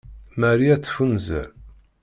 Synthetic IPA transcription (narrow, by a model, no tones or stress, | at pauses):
mæɾiæt͡sːfunzæ̰